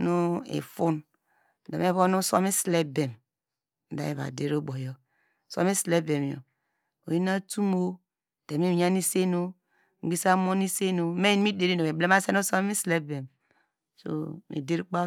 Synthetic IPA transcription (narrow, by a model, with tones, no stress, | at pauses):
no˦ḛ˨fu˦n˨ | da˨me˦βo˦nu˦so̰˦mi˦sle˦be˨m̩˨ | da̰˨˦je˨βa̰˨de˦ɾo˦bo˨jo˦˨ | so̰˦mi˦sle˦be˨m˨o̰˨ | o˨i˦na˦tu˦mo˦˨ | d̥e˨mi˦˨ɲa˦ni˦se˦no˦ | ŋ̩˦ɡ͡bi˦sa˦mo˦ni˦se˦no˨me˦i˦n˦mi˦de˨ɾi˦no˨e˨ble˦ma˦se˦no˦so˦i˦sle˦be˨m | so̰˦mḛ˨de˦ɾk͡pa˦